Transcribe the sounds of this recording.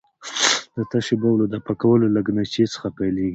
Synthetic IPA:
d̪ət̪aʃibawlod̪əpakawəlolaɡnat͡ʃet͡sə̥xapajleɡi

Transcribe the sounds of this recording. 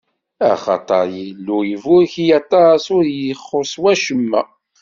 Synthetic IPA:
æ̰χɑ̰t̪ˤɑɾjilːujəvʊɾçjɑt̪ˤːɑɾsʊɾjəχːoswæʃəmːæ

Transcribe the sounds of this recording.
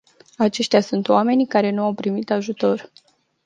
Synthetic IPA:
at͡ʃe̞ʃt̪easunt̪oame̞nikaɾe̞nuawpɾimit̪aʒut̪o̞r

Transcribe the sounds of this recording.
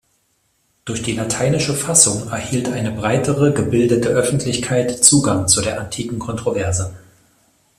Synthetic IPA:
d̥ʊɐçd̥iːlatʰaɪnɪʃəfasʊŋɛɐhiːltʔaɪnəbʁaɪtʰəʁəɡəbɪldətəʔœfn̩tʰlɪçkʰaɪtt͡suːɡaŋt͡sudeːɐʔantʰiːkŋ̩kʰɔntʁ̥ovɛɐzə

